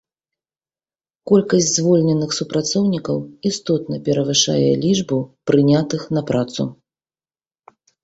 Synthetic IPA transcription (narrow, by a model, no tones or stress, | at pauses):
kɔlʲkɐsʲd͡zʲzvɔlʲnʲɛnːɨxsupɾat̪sɔwnʲikɐwist̪ɔt̪nɐpʲɛɾɐvɨʂa̰jɛ̰lʲiʐbupɾɨnʲat̪ɨxnɐpɾat̪sṵ